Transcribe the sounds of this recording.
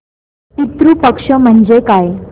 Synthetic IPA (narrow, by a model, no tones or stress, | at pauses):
tit̪ɾupəkʂəm̤əɳd͡zekaj